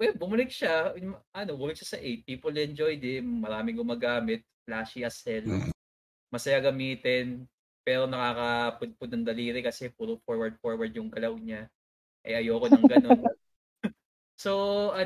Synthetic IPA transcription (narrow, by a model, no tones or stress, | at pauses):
wɛbʊmɐlɪk̚ʃamɐʔɐnobʊlɪk̚ʃasɐʔejt̪̚piːpolɛnd͡ʒojd̪ɪmɐɾaːmɪŋɡʊmaːɡaːmɪt̪̚flaːʃiʔɐsɛl | mɐsɐjaɡɐmiːt̪ɪn | pɛːɾo̞nɐkaːkɐpʊd̪̚pʊd̪̚nɐŋd̪ɐliːɾɪkɐsɛpuɾʊfoɹwɐɹd̪̚foɹwɐɹd̪̚jʊŋɡɐlɐwɲa | ʔɐ̰jʔɐjoːkonɐŋɡɐno̞n | soʔɐ